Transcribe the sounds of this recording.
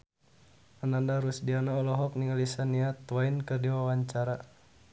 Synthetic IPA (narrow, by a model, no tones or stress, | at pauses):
anandaɾusdianaɔlɔɦɔk̚niŋalisaniat̪wainkɨrdiwawaɲt͡ʃaɾa